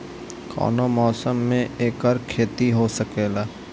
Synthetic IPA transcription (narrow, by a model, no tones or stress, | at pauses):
kʰɔ̰ːnomɔːsəmːẽeːkɔɾkʰeːt̪iɦosəkeːlaː